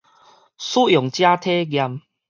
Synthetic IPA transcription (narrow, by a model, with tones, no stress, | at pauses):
su˦jɔ˨˩ŋt͡ɕja˦t̪ʰe˦ɡja˧m